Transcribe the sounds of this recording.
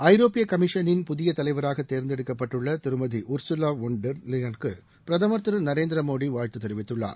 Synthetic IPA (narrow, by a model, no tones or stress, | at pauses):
ɐɪɾoːpɪjɐkɐmɪʂɐnɪnpʊðɪjɐt̪ɐlɐɪʋɐɾaːɣɐt̪ːeːɾnd̪ɛɽɯkːɐpːɐʈːɯɭːɐt̪ɪɾɯmɐðiʔʊɾsʊlaːʋɔɳɖɐɾlɪjɐnkɯ | pɪɾɐðɐːmɐɾt̪ɯɾɐnɐɾeːnd̪ɪɾɐmoːɽiʋaːɻt̪ɯt̪ːɛɾɪʋɪt̪ːɯɭːa̰ːɾ